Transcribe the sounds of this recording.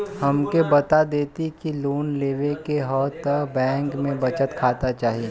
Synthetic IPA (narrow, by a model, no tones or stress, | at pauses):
ɦɐmkebɐt̪ad̪eːt̪ikiluːnleːʋekeɦɔːt̪əkbɛ̃ːŋkmẽbɐt͡ʃət̪kʰaːt̪at͡ʃaːɦie